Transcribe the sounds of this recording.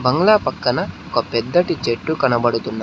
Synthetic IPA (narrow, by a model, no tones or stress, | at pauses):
bɐŋɡɐɭaːpɐkːɐnɐɔkɐpɛd̪ːɐʈit͡ʃeʈːukɐnɐbɐɽut̪unːɐ